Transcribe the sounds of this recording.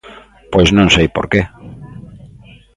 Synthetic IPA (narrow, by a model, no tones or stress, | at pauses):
pojznõŋsejpo̰ɾke